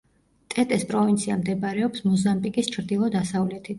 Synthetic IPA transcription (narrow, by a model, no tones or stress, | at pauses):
t̪ʼɛt̪ʼɛspʼɾɔvint̪sʰiamd̪ɛbaɾɛɔpsmɔzambʼikʼist͡ʃʰɾd̪ilˠɔd̪asavlɛt̪ʰi